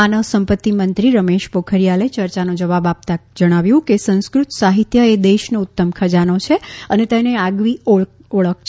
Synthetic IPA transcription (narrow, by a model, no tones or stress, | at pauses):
anəʋsəmpət̪ːimənt̪ɾiɾəmeʃpokʰəɾijalet͡ʃəɾt͡ʃanõd͡ʒəʋabap̚t̪ad͡ʒəɽ̃aʋjũkesə̃ñskɾut̪saɦit̪jəed̪eʃnoʊt̪ːəmkʰəd͡ʒanot͡ʃʰeənet̪eneaɡʋio | oɭək̚ʰt͡ʃʰ